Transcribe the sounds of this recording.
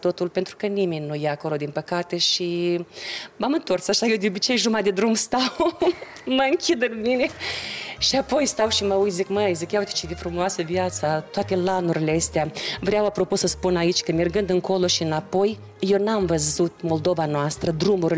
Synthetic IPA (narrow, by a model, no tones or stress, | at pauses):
t̪o̞t̪ulpe̞nt̪ɾukənimenʲnujaːko̞lo̞d̪inpəkat̪e̞ʃi | mamɨnt̪o̞rsaʃajewd̪eobit͡ʃe̞jʒumad̪e̞d̪ɾumst̪aw | məɨŋkʲid̪ɨnmine̞ | ʃiapo̞jst̪awʃiməujt̪ʲzikməizikʲjawt̪e̥t͡ʃed̪efɾumoasəvjat̪sat̪oat̪e̞lanuɾileəst̪eavɾeawapɾo̞pusəspunait͡ʃʲkəmerɡɨnd̪ɨŋko̞lo̞ʃiɨnapo̞j | je̞wnamvəzut̪mo̞ld̪o̞vanoast̪ɾəd̪ɾumuɾi